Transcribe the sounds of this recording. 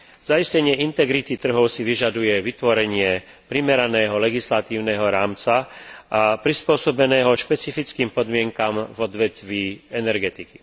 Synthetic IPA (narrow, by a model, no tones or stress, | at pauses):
z̥aiscɛɲɪɛint̪ɛɡɾit̪it̪r̩ɦɔʊsiʋiʒad̪ujɛʋit̪ʋɔɾɛɲɪɛ | pɾimɛɾanɛːɦɔlɛɡislat̪iːʊnɛɦɔɾaːmt͡saʔapɾispʊɔsɔbɛnɛːɦɔʃpɛt͡sifit͡skiːmpɔd̪mɪɛŋkamvɔd̪ʋɛt̪ʋiːɛnɛɾɡɛt̪iki